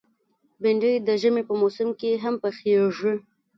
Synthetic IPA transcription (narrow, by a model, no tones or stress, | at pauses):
bɪɳɖəjd̪əʒəmepəmosɪmkeɦampəxeʐwi